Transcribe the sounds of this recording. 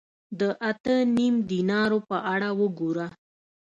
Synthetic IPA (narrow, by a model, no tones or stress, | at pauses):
d̪əʔat̪ənimd̪inɑɾopəʔaɽawəɡuɾa